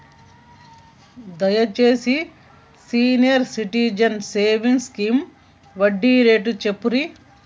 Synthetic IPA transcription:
d̪ɐjɐt͡ʃeːsi | siːnijɐɾsiʈiːd͡ʒɐnseːʋiŋɡskiːm | ʋɐɖːiɾeːʈut͡ʃepːuɾi

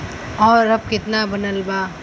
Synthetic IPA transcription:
ɔːɾəb̚kɪt̪nabənəlba

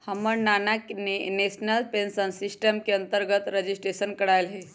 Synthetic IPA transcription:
həməɳnanakneneɕnəlpensənsisʈəmkeənt̪əɾɡət̪ɾəd͡ʑisʈɾeɕənkəɽajlɦe

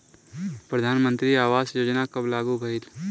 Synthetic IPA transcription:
pɾəd̪ʱaːnmə̃nt̪ɾiaːʋaːzjoːd͡ʒnakɐblaːɡubʱɐɪt̪

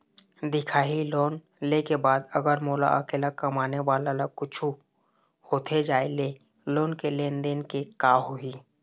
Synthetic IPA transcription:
d̪ɪkʰaːɦiloːn | lekebaːd̪əɡəɾmoːla̰ʔəkeːlakɐmaːnewaːlalakʊt͡ʃʰu | hoːt̪ʰed͡ʒaːele | loːnkelẽːnd̪eːnkekaːɦoɦiː

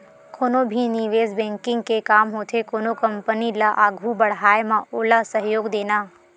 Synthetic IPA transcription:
kʰoːnobʱiniʋeːzbɛ̃ːŋkɪ̃ŋɡkekaːmɦoːt̪ʰekoːnokɐ̃mpənilaʔaːɡʱubɐɽ̤ɦaːjemãʔoːlasəɦjoːɡd̪eːnaː

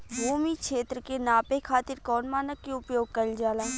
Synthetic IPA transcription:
bʱuːmikʃeːt̪ɾəkenãːpekʰaːt̪ɪɾkɔːnmaːnəkːeʊpjoːɡ̚kɐɾid͡ʒaːlaː

